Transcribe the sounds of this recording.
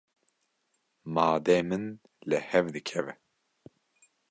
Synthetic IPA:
mɑːd̪eːmɨn | lɛhɛvd̪ɨkʰɛvɛ

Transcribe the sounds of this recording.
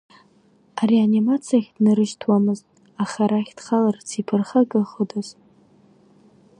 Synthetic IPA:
arianimat͡sʰijaχʲdnɨɾɨʒtʰwamɨztʼ | aχaɾaχʲd̥χalart͡sʰipʰɨrχaɡʼɨχədoz

